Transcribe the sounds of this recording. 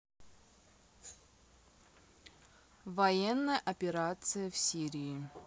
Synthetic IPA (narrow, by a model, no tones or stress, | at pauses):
vɐjɛnːəjəʔɐpʲɪɾat̪sɨjəfsʲiɾʲiː